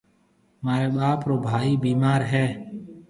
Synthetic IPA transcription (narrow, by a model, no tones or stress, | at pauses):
maːɾeːɓaːpɾoːbʱaːiːbiːmaːɾɦɛː